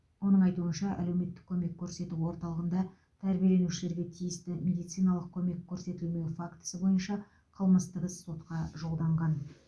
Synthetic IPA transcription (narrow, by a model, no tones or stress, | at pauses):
wo̞nəɴɑjt̪uənʃɑʔæ̰lewme̞t̪ːɪ̥k̚ʲʰːɵme̞kʲʰːɵɾse̞t̪uwo̞ɾt̪ɑlˠəʁənd̪ɑ | t̪ʰæɾbijelenuʃɪle̞ɾɡʲe̞t̪ʰijɪst̪ɪmʲe̞d̪ijt̪sɨjnɑlˠəq̚kʲʰɵme̞kʲʰːɵɾse̞t̪ɪlmewfakt̪ə̥səbo̞jənʃɑ | qʰəlˠməst̪əʁəzsːo̞t̪qɑʒo̞lˠd̪ɑɴʁɑn